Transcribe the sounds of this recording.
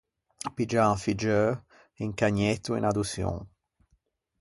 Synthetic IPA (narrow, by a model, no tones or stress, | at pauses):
pid͡ʒãfid͡ʒø | eŋkaɲɛt̪ːuḛnad̪usjõ̰ŋ